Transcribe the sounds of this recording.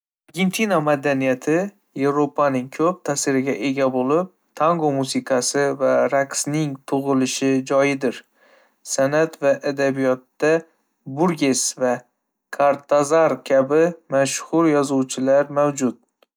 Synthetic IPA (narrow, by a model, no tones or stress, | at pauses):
aɾɡʲe̞nt̪ʰinamad̪anijat̪ʰɪ | je̞vɾopʰanɪŋkʰɵp̚t̪ʰasɪɾɪɡʲaʔe̞ɡʲabolɪp̚t̪ʰaŋɡomusɪqʰɑsɪvaɾaksnɪŋt̪ʰʊʁɨlɪʃɪd͡ʒɒjɪd̪ɪɾ | sanat̪vaʔad̪abijɒt̪ːa | buɾɡʲe̞sva | kʰaɾt̪ʰazaɾkʲʰabɪmaʃhʊɾjɒzuwt͡ʃʰɪlaɾmawd͡ʒʊt̪̚